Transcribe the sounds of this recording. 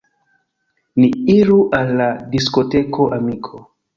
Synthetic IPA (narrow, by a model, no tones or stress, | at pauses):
niiɾuʔalːadisko̞te̞kʰo̞ʔamikʰo